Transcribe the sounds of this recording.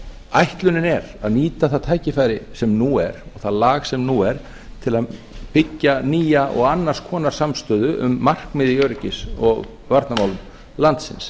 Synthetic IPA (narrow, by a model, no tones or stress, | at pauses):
ajht̪lʏnɪnɛɾaðniːt̪aθaðt̪ʰaːjcɪfaːjɾɪsɛmnuɛɾɔɣθaðlaːɣsɛmnuɛɾ̥ | t̪ʰɪlaðpɪcːaniːjaʔɔ̰ɣanːar̥skʰɔːnaɾ̥samst̪œːðʏʔʏ̰mːar̥kmɪðɪœːɾɪcɪsɔɣ | vaɾt̪namaːwlʏm | lant̪sɪ̰ns